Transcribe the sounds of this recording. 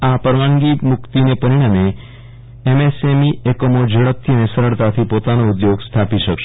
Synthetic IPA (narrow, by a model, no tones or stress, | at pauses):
apəɾʋaŋɡimʊkt̪inepəɾiɽ̃ame | emesemiekomod͡ʒʱəɭək̚t̪ʰːiənesəɾəɭt̪at̪ʰipot̪anoud̪joɡst̪ʰapiʃəkʃe